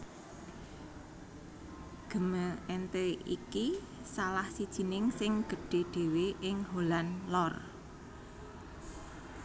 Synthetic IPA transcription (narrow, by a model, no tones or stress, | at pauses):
ɡ̥ə̤məɛnt̪eḭki | salahsid̥ʒ̥i̤nɪŋsɪŋɡ̥ə̤ɖ̥e̤ɖ̥e̤weʔɪŋɦolanlɔr